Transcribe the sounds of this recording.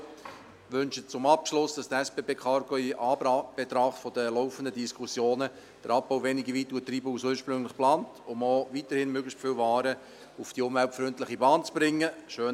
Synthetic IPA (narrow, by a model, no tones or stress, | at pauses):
ʋɵnʃət͡sʊmɑpʃlʊsd̥ɑsd̥̪əɛspeːbeːkʰɑɾɡ̥oiʔɑːb̥et̪ɾɑχtfɔd̥əlɔʊfəndədiskʰusjoːnə | d̥əɾʔɑp̚boʊvɛniɡəvitːuːtɾiːbəusuːʃpɾʏŋlɪχplɑːntʊmoːvitəɾhɪnmøɡlɪstfɪwvɑːɾə | ufd̥iʊmvɛltfɾʏntlɪχibɑːnt͡sb̥ɾɪŋːəʃøː